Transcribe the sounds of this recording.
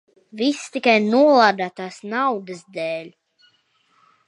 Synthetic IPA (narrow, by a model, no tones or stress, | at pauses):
vist̪ikajnuɔlˠaːd̪aːt̪aːsnawd̪ɨsd̪ɛːlʲ